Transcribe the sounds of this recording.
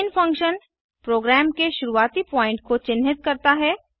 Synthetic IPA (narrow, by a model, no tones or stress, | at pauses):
nfʰɐ̃ŋkʃən | pɾoːɡɾɛːmkeʃʊɾuaːt̪ipɔ̃ːɪ̃ɳʈkot͡ʃɪnɦɪt̪̚kɐɾt̪aɦɛː